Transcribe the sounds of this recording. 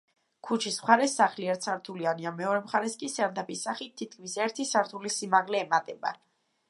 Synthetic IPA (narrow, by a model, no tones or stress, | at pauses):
kʰut͡ʃʰismχaɾɛsaχliɛɾt̪saɾt̪ʰulianiamɛɔɾɛmχaɾɛskʼisɛɾd̪apʰisaχit̪ʰːit̪̚kʰmisɛɾt̪ʰisaɾt̪ʰulisimaʁlɛːmat̪ʼɛba̰